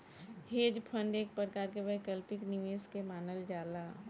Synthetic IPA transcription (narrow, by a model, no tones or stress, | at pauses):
heːd͡ʒpʰə̃ɳɖeːk̚pɾɾəkaːɾkebəjkəlpɪknɪʋeːskemaːnəld͡ʒaːlaː